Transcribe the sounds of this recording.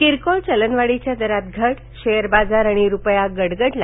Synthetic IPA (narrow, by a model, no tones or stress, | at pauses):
kiɾkɔlt͡ɕələnʋaɽit͡ɕjad̪əɾat̪ɡʱəʈ | ɕejəɾbad͡zaɾaɽ̃iɾupjaɡəɽɡəʈla